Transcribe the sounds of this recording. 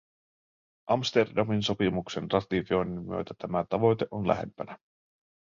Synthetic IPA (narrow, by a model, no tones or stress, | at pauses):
ʔɑmst̪e̞rdɑminso̞pimukse̞nrɑt̪ifio̞jnimmːyø̰t̪æt̪æmæt̪ɑʋo̞jt̪e̞ʔonlæ̰ɦe̞̰mpænæ